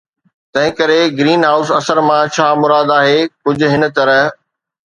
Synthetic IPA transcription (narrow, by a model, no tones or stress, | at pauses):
t̪ɐ̃ɦɪ̃kɐɾeɡɾiːnɦaːʊsɐsəɾmãt͡ɕʰaːmʊɾaːd̪aːɦeːkʊd͡ʑʱʊ̆ɦɪnə̆t̪ɐɾəɦ